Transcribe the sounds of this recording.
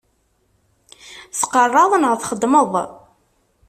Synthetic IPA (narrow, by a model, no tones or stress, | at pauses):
sqərˤːɑðˤnʁəθχəd̪məðˤ